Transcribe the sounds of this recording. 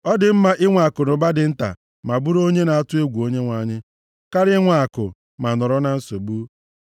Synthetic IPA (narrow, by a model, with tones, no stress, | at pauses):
ɔ˦dɪ˨m̩˦ma˦ʔɪ˦ŋʷa˨kʊ˨nʊ˨ba˦dɪ˨n̩˦ta̰˨ | ma˨bu˦ɾo˦ɲe˦na˨a˦tʊ˦e˦ɡʷu˨o˦ɲe˦ŋʷa˨ɲɪ˦ | ka˦ɾɪ˦ŋʷa˨kʊ̰˨ | ma˨nɔ˨ɾɔ˦na˨n̩˦so˨bu˦